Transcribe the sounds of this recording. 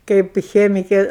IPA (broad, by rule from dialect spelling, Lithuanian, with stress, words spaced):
ˈkɐɪp ˈxʲæːmʲɪkʲeː